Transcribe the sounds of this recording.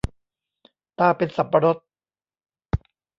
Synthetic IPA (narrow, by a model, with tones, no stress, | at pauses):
t̪aː˧˩pe˧nsa˨˦mpːa˧ɾo˦˥t̪̚